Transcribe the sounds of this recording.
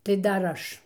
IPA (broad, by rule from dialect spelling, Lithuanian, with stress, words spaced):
tɐɪ ˈdɐr ˈɐʃ